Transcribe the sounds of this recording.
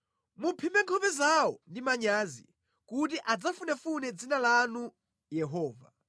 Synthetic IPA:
mupʰimɛŋkʰɔpɛzawɔndimaɲaːzḭ | kut̬iʔad͡zafunɛfunɛd͡zinalanu | jɛɦɔːva̰

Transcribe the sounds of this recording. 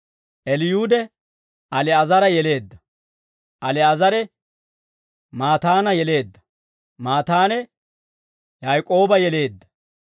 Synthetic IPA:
ʔɛlɪjuːd̪ɛ | ʔɐlɛɐzɐɾɐjɛle̞ːd̪ːɐ | ʔɐlɛɐzɐɾɛ | maːt̪aːnɐjɛle̞ːd̪ːɐ̥ | maːt̪aːnɛ | jɐjkʼo̞ːbɐjɛle̞ːd̪ːɐ̥

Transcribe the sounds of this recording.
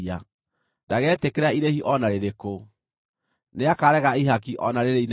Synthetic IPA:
a | ndaɣɛːtekeɾaiɾehiʔɔnaɾeɾeko | neakaɾɛɣaiɦakiʔɔnaɾeɾein

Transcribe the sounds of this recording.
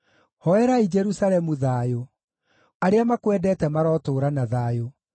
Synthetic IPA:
hɔɛɾaid͡ʒɛɾusalɛmuðaːjo | aɾeamakwɛdɛːtɛmaɾɔːtoːɾanaðaːjo

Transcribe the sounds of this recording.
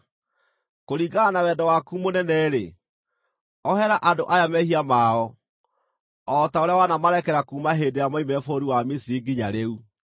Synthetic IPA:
koɾiɡanawɛdɔwakuːmonɛnɛɾe | ɔhɛɾaʔadoʔajamɛhiamaɔ | ɔtaoɾeawanamaɾɛkɛɾakuːmaɦedejamaimɛfoɾiwamisiɡiɲaɾeu

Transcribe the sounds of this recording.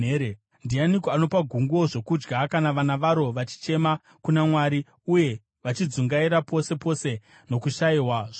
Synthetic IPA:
ɾe | ndianikoano̞paɡʱuŋɡo̞ʐo̞kud͡ʒɡakanaʋanaʋaɾo̞ʋat͡ʃi̥t͡ʃe̞ma | kunamwaɾi | uje̞ | ʋat͡ʃid͡zuŋɡaiɾapo̞se̞po̞se̞ | no̞kuʃaiɦwaʐ

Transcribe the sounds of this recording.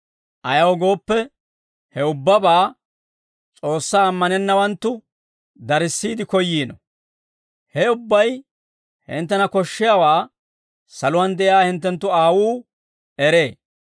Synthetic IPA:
ʔɐjɐwɡo̞ːpːɛ | hɛʊbːɐbaː | t͡sʼo̞ːsːaːmːɐnɛnːɐwɐnt̪ːʊ | d̪ɐɾɪsːiːd̪ɪkɔjːiːnɔ̰ | hɛʊbːɐj | hɪ̰nt̪ːɛnɐkɔʃːɪjawaː | sɐlʊwɐnd̪ɛʔɪjaːhɪnt̪ːɛnt̪ːʊaːwuː | ɛɾe̞ː

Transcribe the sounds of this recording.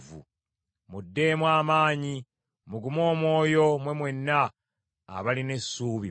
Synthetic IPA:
vṵ | mudːe̞mwaːmaːɲi | muɡumo̞ːmwo̞ːjo̞mwe̞mwe̞nːa̰ː | βaline̞sːuːβi

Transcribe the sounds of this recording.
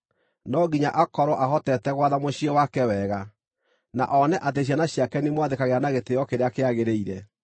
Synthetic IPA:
nɔɡiɲaʔakɔɾɔʔaɦɔtɛtɛɣwaðamoɕiɔwakɛwɛɣa | na̰ʔɔnɛʔat̬eɕ̬ianaɕiakɛnimowaðekaɣeanaɣetejɔkeɾeakeaɣeɾeiɾɛ

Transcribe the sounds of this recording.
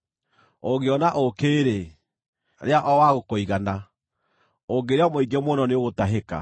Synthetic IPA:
oɣeɔnaʔokeːɾe | ɾeaʔɔwaɣokoiɣana | oɡeɾeamoiɡemonɔneoɣotaɦeka̰

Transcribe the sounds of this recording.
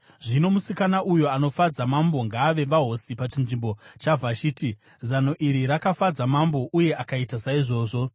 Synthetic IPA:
ʐino̞musikanaʔujoano̞fad͡zamambo̞ŋɡaːʋe̞ʋaɦo̞sipat͡ʃinʐimbo̞t͡ʃavʱat͡ʃiːti | zano̞ʔiɾiɾakafad͡zamambo̞ʔuje̞ʔakaitasaiʐo̞ːʐo̞

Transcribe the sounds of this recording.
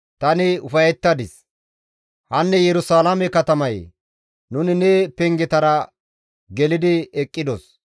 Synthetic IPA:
t̪ɐnɪʊfɐjɛt̪ːɐd̪ɪs | hɐnːɛjɛɾʊsaːlamɛkɐt̪ɐmɐj | nʊnɪnɛpɛŋɡɛt̪ɐɾɐ | ɡɛlɪd̪ɪɛkʼːɪd̪ɔs

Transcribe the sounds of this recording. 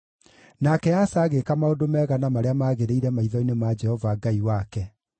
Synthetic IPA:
nakɛasaːɣekamaodomɛːɣanamaɾeamaːɣeɾeiɾɛmaiðɔinemad͡ʒɛhɔvaɡaiwakɛ

